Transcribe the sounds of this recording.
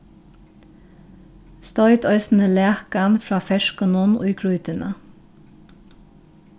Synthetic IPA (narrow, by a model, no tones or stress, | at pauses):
st̪ɔʏt̪œʏsn̩əleːkənfɹɑːfɛʃkənʊnʊ̰ʏkʰɹʉʏt̪ənʔə̰